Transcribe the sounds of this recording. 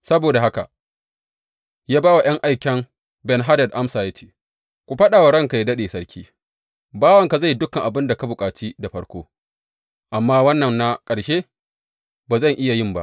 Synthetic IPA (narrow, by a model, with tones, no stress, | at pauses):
sɐ˦boː˨da˨ɦa˦ka˨ | jaː˦baː˦wa˨j̰ɐ˦ŋʔa˦jkʲɛ˦ŋ | bɛ˨nɦa˦dɐ˨d̚ʔa˦msaː˨jɐ˦t͡ʃi̥ː˨ | kʷu˨ɸɐ˦ɗa˨wa˨ɽɐ˦ŋka˨ja˦dɐ˦ɗeː˨sɐ˦ɽkʲʰiː˦ | baː˦wɐ˨ŋka˨za˦˨jdʊ˦kɐ˨ŋʔa˨bɪ˦nda˨ka˦bʊ˨kʼaː˨t͡ʃiː˦da˨ɸɐ˦ɽkʷo̰ː˦ | ʔa˨mːaː˦wɐ˦nːɐ˨nːa˦kʼɐ˨ɽʃeː˦ | baː˨zɐ˦˨ŋʔɪ˦ja˨jɪ˦mba̰˦ʔ